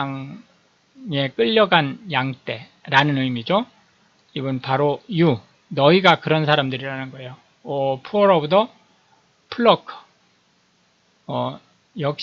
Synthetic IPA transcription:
ŋ | e̞k͈ɯʎːʌɡanjaŋt͈e̞ | ɾanɯnɯɭmid͡ʑo | ibɯnpaɾoju | nʌiɡakɯɾʌnsʰaɾamdɯɾiɾanɯnɡʌe̞jo | ʌpʰuʌɾʌbudʰʌ | pʰuɭːʌkʰɯ̥ | ʌ | jʌk̚ɕ

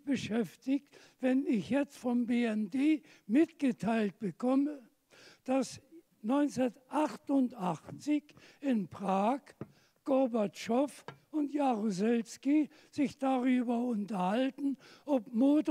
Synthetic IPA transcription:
b̥əʃɛftɪçt | v̥ɛnɪçjɛt͡stfɔmbeːɛndeː | mɪtɡ̥ətʰaɪlt̚b̥əkʰɔmə | d̥as | nɔʏnt͡sɛɐtʔaχtʊntʔaχt͡sɪçɪnpʁ̥aːk | ɡ̥ɔbaɐtʃɔfʊntjaʁuzɛlski | z̥ɪçd̥aʁyːbɐʊntɐhaltn̩ʔɔpmoːt

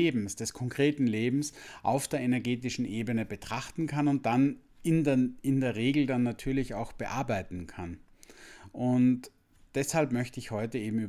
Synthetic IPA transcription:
eːbm̩sd̥ɛskʰɔŋkʁ̥eːtn̩leːbm̩sʔa̰ʊfd̥eːɐenɛɐɡeːtɪʃn̩ʔeːbənəbətʁ̥aχtn̩kʰanʊnt̚d̥an | ɪndɪndeːɐʁeːɡl̩danːatʰyːɐlɪçaʊxb̥əʔa̰ɐbaɪtn̩kʰan | ʔʊnt | d̥ɛshalpmœçtəɪçhɔʏtəeːbm̩yːb

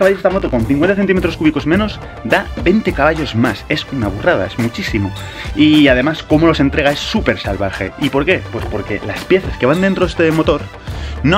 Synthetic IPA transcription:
kaβaʎo̞sðamot̪oko̞nθiŋkwe̞nt̪aθet̪ime̞t̪ɾoskuβiko̞zmẽ̞no̞z | d̪abe̞jnt̪e̞kaβaʎo̞zmase̞sunaβ̞urað̞a̰e̞zmut͡ʃisimo̞ | iaðe̞masko̞mo̞lo̞se̞nt̪ɾe̞ɣae̞sːupe̞ɾsalβaxe̞̰ipo̞ɾke̞pwe̞spo̞ɾke̞̰laspje̞θaske̞βand̪e̞nt̪ɾoðest̪emo̞t̪o̞ɾ | no

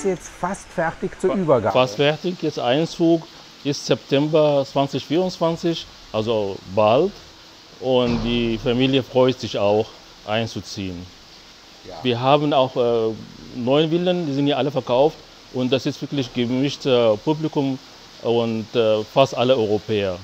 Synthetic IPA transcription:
jɛt͡stfastfɛɐtɪçt͡suːɐyːbɐɡa̰fastfɛɐtɪçjɛt͡stʔa̰ɪnt͡suːk | ʔɪstz̥ɛptʰɛmbɐt͡sv̥ant͡sɪçfiːʁʊnt͡sv̥ant͡sɪç | ʔalzobalt | ʔʊntd̥iːfamiːljəfʁ̥ɔʏtz̥ɪçaʊx | ʔa̰ɪnt͡sut͡siːən | viːɐɦaːbn̩aʊxɛnɔʏənvɪləndiːzɪnthiɐʔaləfɛɐkaʊft | ʔʊnt̚d̥asɪstvɪɐklɪçɡ̥əvɪʃtəpublikʊm | ʊntːfastʔaləɔʏʁopʰɛːɐ

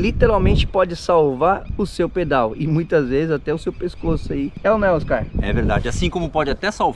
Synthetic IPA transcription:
lit̪eɾawmẽnt͡ʃɪ̥pɔd͡ʒɪsawvaɾʊsewped̪awɪmũj̃t̪ɐzvezɪzat̪ɛʊsewpeskosʊaiɛʊnɛwoskaɾɛ̰veɾd̪ad͡ʒɪasĩkõmʊpɔd͡ʒɪat̪ɛsawv

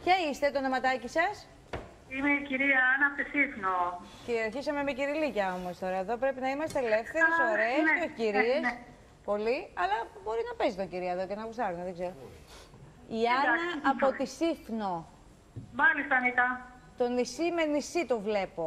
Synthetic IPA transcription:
pçɐist̪e̞t̪onomɐt̪ɐcisɐs | imeiciɾiɐɐnɐpot̪isifnoceɐɾçisɐmemeciɾilicɐo̞mo̞st̪o̞ɾɐeðo̞pɾe̞pinɐimɐst̪eele̞fθθe̞ɾɾesoɾeːsoefciɾies | po̞liɐlɐbo̞ɾinɐpe̞zit̪o̞ɲɟiɾiɐeðo̞ce̞nɐkusɐɾuneðeɡze̞ɾo | iɐnɐːpot̪isifno̞ | mɐlist̪ɐnit̪ɐ | t̪o̞nisimenisit̪ovle̞po̞

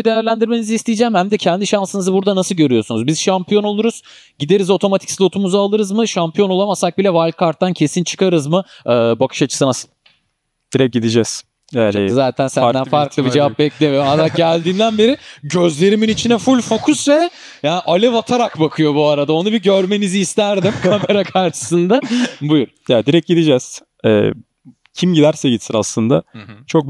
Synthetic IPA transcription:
id̪e̞jæɾlʲænd̪iɾme̞nizist̪ʰejid͡ʒɛːmhæmd̪ɛcʰɛnd̪iʃansɯnɯzɯbuɾd̪anasɯlˠɟø̞ɾyjo̞sunuzbiz̥ʃampijo̞no̞lˠuɾuz̥ | ɟid̪e̞ɾizo̞t̪ʰo̞mat̪ʰi̥csilʲˠo̞t̪ʰumuzaːlˠɯɾɯzmɯʃampʰijo̞no̞lˠamasak̚bilʲɛvalʲkʰaɾt̪ːancʰe̞sint͡ʃʰɯ̥kʰaɾɯzmɯɯːbakʰɯ̥ʃat͡ʃʰɯ̥sɯnasɯ̥n | d̪̥iɾɛɟid̪id͡ʒɛz̥ | zaːt̪ʰænsænd̪ænfaɾklˠɯbid͡ʒevap̚bɛclʲemad̪aɟælʲd̪iːnd̪ænbe̞ɾiɟøzlʲe̞ɾiminit͡ʃʰinɛfulʲfo̞kʰusvɛ | jaːnʔalʲɛvat̪ʰaɾakbakʰɯjo̞buaɾad̪ao̞nubiɟø̞ɾme̞niziːst̪ʰæɾd̪imkʰame̞ɾakʰaɾʃɯ̥sɯnd̪abujuɾ | jad̪iɾɛc̚ɟid̪id͡ʒɛz̥ | ɛ̰ː | cʰimɟid̪æɾsɛɟit̪sʰiɾaslˠɯnd̪a̰t͡ʃʰo̞k̚

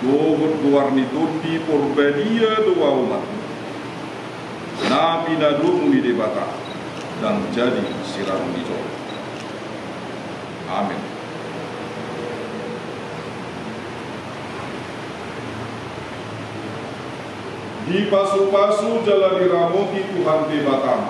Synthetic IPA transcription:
dɔɦɔt̪̚luarnit̪odːipɔrbadiat̪owaumat̪̚ni | napinadoʔnidebat̪a̰ | daŋd͡ʒadisiɾamɔnḭtɔ̰ | ʔa̰mɛ̰n | dipasupasud͡ʒalaliɾamokit̪uɦandebat̪a

